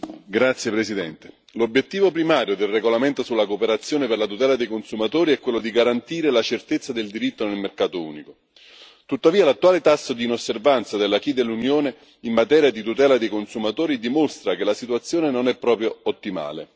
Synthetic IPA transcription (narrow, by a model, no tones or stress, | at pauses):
ɡɾat̪sːjepɾesid̪ɛnt̪e | lobjet̪ːiːvopɾimaːɾjod̪elreɡolament̪osulːakopeɾat̪sːjoːneperlat̪ut̪ɛːlad̪ejkonsumat̪oːɾiɛkːwelːod̪iɡaɾant̪iːɾelat͡ʃert̪et̪sːad̪eld̪iɾit̪ːonelmerkaːt̪oṵːniko | t̪ut̪ːaviːalat̪ːuaːlet̪asːod̪iːnosːervant̪sad̪elːak̟id̪elːunjoːne | inːat̪ɛːɾjad̪it̪ut̪ɛːlad̪ejkonsumat̪oːɾid̪imost̪ɾakelasit̪uwat̪sːjoːnenonɛpːɾɔːpɾjoot̪ːima̰ːlḛ